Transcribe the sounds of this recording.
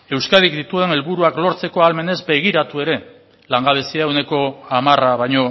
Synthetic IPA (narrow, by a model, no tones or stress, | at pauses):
e̞wskað̞ikd̪it̪ue̞ne̞lβuɾuaklo̞ɾt͡se̞ko̞alme̞ne̞zbe̞ɣ̞iɾat̪ue̞ɾe̞ | laŋɡaβe̞siawne̞ko̞amaraβajɲo̞